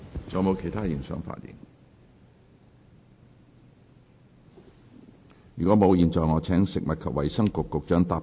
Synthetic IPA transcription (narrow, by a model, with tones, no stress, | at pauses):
t͡sɔː˨˩mo˨˧wkʰe˨˩jt̪ʰaː˥jɪ˨˩ŋsœ̰ː˨˥ŋfa̰ː˧˥t̚jḭː˨˩n | jyː˨˩kʷɔː˨˥mo˨˧wjiː˨nt͡sɔː˨jŋɔː˨˧˥t͡sʰɛː˨˥ŋsɪ˨k̚mɐ˨t̚kʰɐ˨p̚wɐ˨˩jsɐ˥ŋkʊ˨kːʊ˨k̚t͡ʃœː˨˥ŋt̪aː˧